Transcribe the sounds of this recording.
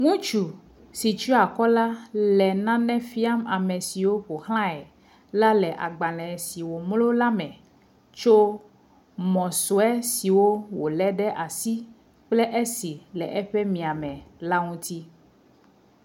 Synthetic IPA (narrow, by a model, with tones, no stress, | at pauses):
ŋũ˦t͡ʃu˨ | si˨t͡ʃu˦a˨kɔ˦la˦lɛ˨nã˦nɛ̃˦fi˦a˦ma˨mɛ˨si˨wo˦ɸo˨hlã˦ɛ˨ | la˦lɛ˨ʔa̰˨ɡ͡ba˨lɛ̃˨si˨wo˨mlo˦la˦mɛ̃˨ | t͡ʃo˦ | mɔ̃˨so˨ɛ˦si˨wo˦wo˨lɛ˦ɖɛ˦ʔa˨si˦ | k͡plɛ˦ʔe˦si˨lɛ˨ʔɛ˦ɸɛ˦mĩ˨a˨mɛ̃˨la˦ŋũ˦t̪i˦